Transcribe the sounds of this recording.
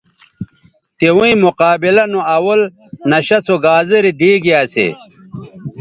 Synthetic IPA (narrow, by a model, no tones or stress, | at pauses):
t̪ewũĩmuqaːbilɐnoɐwɐl | nɐɕɐsoɡaːziɾid̪iːɡiasḛ